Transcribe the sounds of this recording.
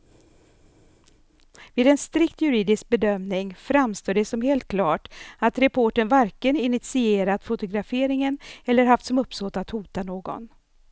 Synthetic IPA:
viːd̪ɛnst̪ɾɪkt̪jɵɾiːd̪ɪsk̚bɛd̪œmnɪŋfɾamst̪oːɖɛsɔmheːlt̪̚kʰlɑːʈat̪ɾɛpʰoːʈənvæɾkənɪnɪt̪sɪeːɾat̪fʊt̪ʊɡɾafeːɾɪŋənɛlːəɾɦaft̪sɔmɵpːsoːt̪at̪huːt̪anoːɡɔ̰n

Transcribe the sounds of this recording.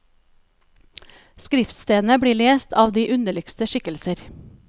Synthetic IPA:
skɾɪft̪st̪eːn̩əbɽiːɭeːst̪ʰɑːʋd̪iːʔʉnəɭɪkst̪əʃɪkəlsəɾ

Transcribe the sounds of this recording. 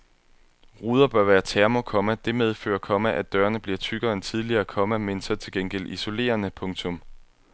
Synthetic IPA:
ʁuːð̞ˠɐb̥ɶɐʋæːɐt͡sʰeɐmokʰɒ̽mæd̥e̝með̞ˠfø̰ːɐkʰɒ̽mæʔæd̥ɶːɐnəb̥liɐt͡sʰyɡ̥ɐent͡sʰið̞ˠliɐːkʰɒ̽mæme̝nsɐt͡sʰe̝lɡ̥enɡ̥el̰iso̝le̝̰ːɐnəpʰɔ̽ŋt͡sʰɔ̽m

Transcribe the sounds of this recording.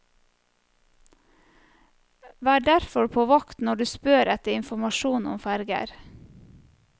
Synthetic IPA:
ʋɑːæːɖæɾfɔɾpʰoːʋɑkt̪nɔɖʉːspøːɾɛt̪əɪnfɔmɑʃuːnɔ̰mfæɾɡə̰ɾ

